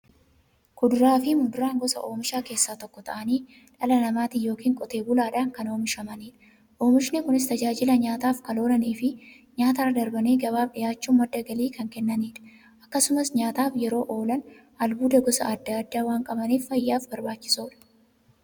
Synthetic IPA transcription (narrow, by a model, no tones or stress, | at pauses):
kʊd̪ʊɾaːfɪmʊd̪ʊɾaːŋɡɔsɐ̰ʔo̞ːmɪʃaːke̞ːsːaːt̪ɔkːɔt̪ɐ̰ʔɐniː | ᶑɐlɐnɐmaːt̪ɪjo̞ːkiːŋkʼɔt̪e̞ːbʊlaːᶑaːŋkɐno̞ːmɪʃɐmɐniːᶑɐ̥ | ʔo̞ːmɪʃnekʊnɪs̬t̪ɐd͡ʒaːd͡ʒɪlɐɲaːt̪aːfkɐlo̞ːlɐniːfɪ | ɲaːt̪arɐd̪ɐɾbɐneːɡɐbaːbɗɪjaːt͡ʃːuːmːɐd̪ːɐɡɐliːkɐŋkɛnːɐniːᶑɐ̥ | ʔɐkːɐsʊmɐsɲaːt̪aːfjɛɾo̞ːʔo̞ːlɐn | ɐlbuːd̪ɐɡɔsɐ̰ʔɐd̪ːaɐd̪ːaːwaːŋkʼɐbɐniːfːɐjːaːfbɐɾbaːt͡ʃːɪ̥soːᶑɐ̥